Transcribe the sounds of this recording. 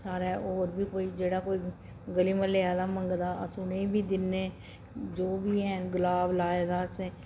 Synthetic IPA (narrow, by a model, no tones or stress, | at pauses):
saːɾɛːoːɾbiːkoːiːd͡ʒeːɽaːkoːiː | ɡəliːməleaːlaːməŋɡd̪aːə̰sʊneːiːbiːd̪ɪnːẽː | d͡ʒoːbiːɦɛ̃ːnɡəlaːblaːed̪aːsɛ̃ː